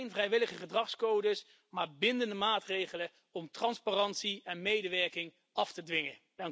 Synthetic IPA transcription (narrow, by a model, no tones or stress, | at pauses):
jnvrɛjʋɪləχəχədrɑχskowdəs | maːɹbɪndəndəmaːtrejχələ | ɔmtrɑnsparɑntsiɛnmejdəʋɛɹkɪŋ | ʔɑftədʋɪŋə̥ | ɑŋ